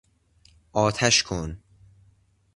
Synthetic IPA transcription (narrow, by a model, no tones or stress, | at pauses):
ʔɒːt̪ʰæʃkʰon